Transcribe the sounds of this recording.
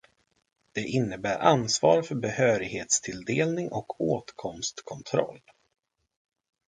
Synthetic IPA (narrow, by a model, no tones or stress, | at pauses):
d̪̥ɛʔɪnːəbæːɾʔansvɑːɾfœɾbɛhøːɾɪɡheːt̪st̪ʰɪld̪eːlnɪŋʔɔkʰoːt̪kʰɔmst̪kʰɔnt̪ʰɾɔ̰lː